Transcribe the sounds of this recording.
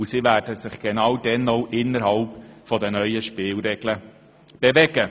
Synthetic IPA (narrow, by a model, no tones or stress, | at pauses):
ʊsiːvæːd̥əsɪχɡ̥enɑːwdɛnoʊʔɪnəɾhɑlpfɔdənœʏəʃpɪːlɾɛɡ̥lə | b̥evɛɡ̥ə